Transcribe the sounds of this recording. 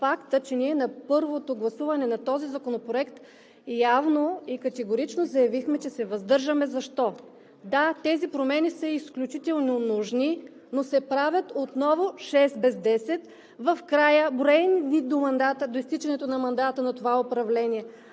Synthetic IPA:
fakt̪ət͡ʃɛniɛnɐpɤɾvot̪oɡlˠɐsuvɐnɛnɐt̪ɔzizɐkonopɾoɛkt̪ | javnoikɐt̪ɛɡoɾit͡ʃnozɐjɐvixmɛt͡ʃɛsɛvɐzd̪ɤɾʒəmɛzɐʃt̪ɔ | d̪at̪ɛzipɾomɛnisəisklʲut͡ʃit̪ɛlˠnonuʒni | nosɛpɾavʲjət̪ot̪nɔvoʃɛsbɛzd̪ɛsɛt̪ | vɐfkɾajəbɾɛninid̪omɐnd̪at̪əd̪oist̪it͡ʃɛnɛt̪onɐmɐnd̪at̪ənɐt̪ovaopɾɐvlɛniɛ

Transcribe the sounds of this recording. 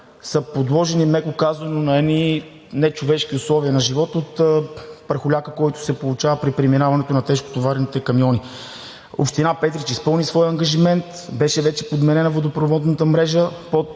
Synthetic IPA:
sɐpod̪lˠɔʒɛnimɛkʊkazvɐnonɐɛd̪ni | nɛt͡ʃovɛʃk̟iʊslˠɔviənɐʒivɔt̪ot̪pɾɐxʊlʲakəkɔjt̪ʊ̥sɛpolˠʊt͡ʃavəpɾipɾiminavɐnɛt̪onɐt̪ɛʃko̥t̪ovaɾnit̪ɛkɐmjɔni | o̰pʃt̪inapɛt̪ɾit͡ʃispɤlˠnisvɔjɐŋɡɐʒimɛnt̪bɛʃɛvɛt͡ʃɛ̥pod̪mɛnɛnɐvod̪opɾovɔd̪nɐt̪əmɾɛʒəpo

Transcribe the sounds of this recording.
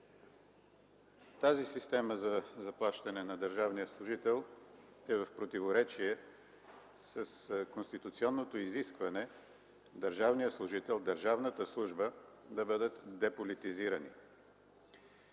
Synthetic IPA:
t̪azisist̪ɛməzɐzɐplˠaʃt̪ɐnɛnɐd̪əɾʒavnijəslˠʊʒit̪ɛlˠ | ɛvɐfpɾot̪ivoɾɛt͡ʃiɛ | sɐskonst̪it̪ut̪siɔnːot̪oiziskvɐnɛ | d̪əɾʒavnijəslˠʊʒit̪ɛlˠd̪əɾʒavnət̪əslˠuʒbəd̪ɐbɤd̪ət̪d̪ɛpolit̪iziɾənḭ

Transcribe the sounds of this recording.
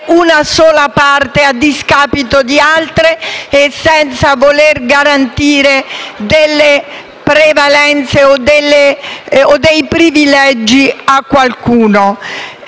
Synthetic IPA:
unasɔːlapart̪ead̪iskaːpit̪od̪ialt̪ɾeːsːɛnt̪savolerɡaɾant̪iːɾed̪elːe | pɾevalɛnt̪seod̪elːeod̪ejpɾivilɛd͡ʒːiakːwalkuːno

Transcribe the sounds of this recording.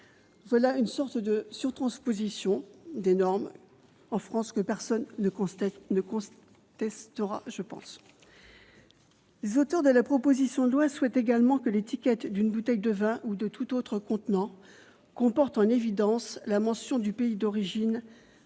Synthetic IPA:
vwalaynsɔʁt̪d̪əsyʁt̪χɑ̃spozisjɔ̃d̪enɔʁm | ɑ̃fχɑ̃skəpɛʁsɔnənəkɔ̃ | t̪ɛst̪əʁa̰ʒəpɑ̰̃s | lezot̪œʁd̪əlapχɔpozisjɔ̃d̪əlwaswɛt̪eɡalmɑ̃kəlet̪ikʲɛt̪d̪ynbut̪ɛjd̪əvɛ̃ʔud̪ət̪ʰut̪ot̪χəkɔ̃t̪nɑ̃ | kɔ̃pɔʁt̪ɑ̃nevid̪ɑ̃slamɑ̃sjɔ̃d̪ypeid̪ɔʁiʒin

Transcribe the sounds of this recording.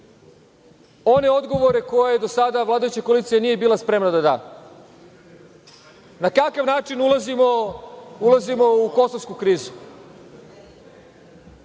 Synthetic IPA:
o̞ne̞o̞d̪ɡo̞ʋo̞ɾe̞ko̞jaed̪o̞sad̪aʋlaːd̪ajut͡ɕakoliːt̪sijenije̞biːlˠaspɾe̞mnad̪ad̪a̰ː | nakakaʋnaːt͡ʃinulˠazimoulazimo̞uko̞soskukɾiːzu

